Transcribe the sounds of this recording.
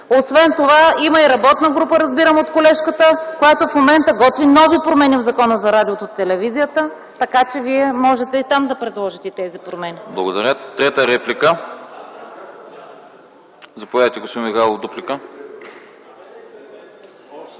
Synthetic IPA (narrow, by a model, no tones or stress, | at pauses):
osvɛnt̪ovaimɐiɾɐbɔt̪nəɡɾupəɾɐzbiɾəmot̪kolɛʃkət̪əkojat̪ofmomɛnt̪əɡɔt̪vinɔvipɾomɛnivzɐkɔnəzɐɾad̪iot̪ot̪ːɛlɛvizijət̪ə | t̪ɐkat͡ʃɛviɛmɔʒɛt̪ɛit̪amd̪ɐpɾɛd̪lˠɔʒit̪ɛt̪ɛzipɾomɛniblˠɐɡod̪ɐɾʲət̪ɾɛt̪əɾɛplikə | zɐpovaət̪ɛɡospɔd̪mixalˠovd̪uplikə